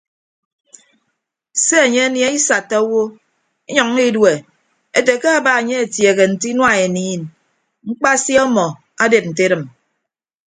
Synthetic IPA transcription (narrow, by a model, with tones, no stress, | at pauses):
se˦e˨ɲe˦a˦nje˦i˦sa˨tːa˦wo˦ | i˦ɲɔ˨ŋ˦i˦dwe˨ | e˦te˨ke˦a˦ba˨e˨ɲe˦e˨tje˨ɣe˨n̩˨ti˦nwa˦˨e˨niː˨˦˨n | ŋ͡m̩˦k͡pa˦sjɔ˦mɔ˨ | a˦de˨p̚n̩˨t̬e˦ɾɨ˨m